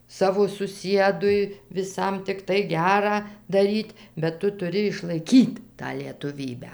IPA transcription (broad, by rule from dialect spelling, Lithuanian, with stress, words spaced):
ˈsɑːʋoː sʊˈsʲiɛdʊɪ ʋʲɪˈsɐm tʲɪkˈtɐɪ ˈɡʲæːrɑː dɐˈrʲiːtʲ bʲɛt ˈtʊ tʊˈrʲɪ ɪʃlˠɐɪˈkʲiːt tɑː lʲiɛtʊˈʋʲiːbʲæː